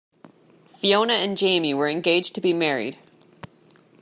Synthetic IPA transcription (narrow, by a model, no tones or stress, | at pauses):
fiõʊ̃nɨɨ̃nd͡ʒẽɪ̃miwə˞ɨ̃nɡeɪd͡ʒtʰɨbimɛɹḭd̥